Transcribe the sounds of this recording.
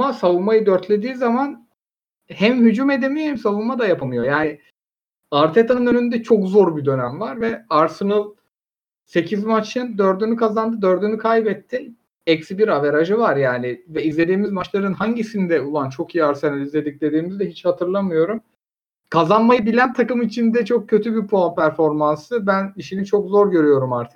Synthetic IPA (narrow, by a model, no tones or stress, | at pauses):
masavunmajɯd̪øɾt̪lʲe̞d̪iːzaman | hæmɦyd͡ʒume̞d̪emijohɛmsavunmad̪ajapʰamɯjo̞jaːnɪ | aɾt̪ʰet̪ʰanɯnø̞nynd̪ɛt͡ʃʰo̞kzo̞ɾbid̪ø̞næmvaɾvɛaɾsɯnalˠ | se̞cʰizmat͡ʃʰɯnd̪øɾd̪ynykʰazand̪ɯd̪ø̞ɾd̪ynykʰajbɛt̪ʰːi | ɛcsibiɾaveɾaʒɯvaɾjaːnɪvɛizlʲe̞d̪iːmizmat͡ʃlˠaɾɯnɦaɲɟisind̪ɛulˠant͡ʃʰo̞kijiaɾsenalʲizlʲe̞d̪ic̚d̪e̞d̪iːmizd̪ɛɦit͡ʃhat̪ʰɯɾlˠamɯjo̞ɾum | kʰazanmajɯbilʲænt̪ʰakɯmit͡ʃʰind̪ɛt͡ʃʰo̞k̚cʰːø̞t̪ʰybipʰoapʰæɾfo̞ɾmansɯbæniʃinit͡ʃʰo̞kzo̞ɾɟø̞ɾyjo̞ɾumaɾt̪ʰɛ̥